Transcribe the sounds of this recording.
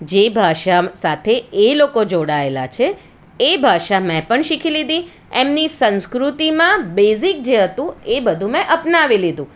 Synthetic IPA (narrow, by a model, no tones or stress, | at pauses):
d͡ʒebʱaʃasat̪ʰeelokod͡ʒoɽaela̰t͡ʃʰe | ebʱaʃamɛ̃pəɳʃikʰilid̪i | emnisə̃nskɾut̪imãbezik̚d͡ʒeɦət̪ũebəd̪ʱũmɛ̃ʔəpnaʋilid̪ʱũ